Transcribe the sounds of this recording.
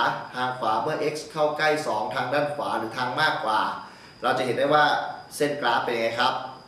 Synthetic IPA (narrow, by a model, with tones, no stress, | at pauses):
tʰaː˧ŋkʰwaː˩˦mɯ˥˩ɐʔe˦˥k̚skʰa˥˩wkla˥˩jsɔ̰ː˩˦ŋt̪ʰaː˧ŋdaː˥˩nkʰwaː˩˦ɾɯː˩˦t̪ʰaː˧ŋmaː˥˩kʰːwa̰ː˨˩ | ɾa˧wt͡ɕa˨˩ɦe˨˦nda˥˩jwaː˥˩se˥˩nklaː˦˥pe˧ŋa˦˥jkʰɾa˦˥p̚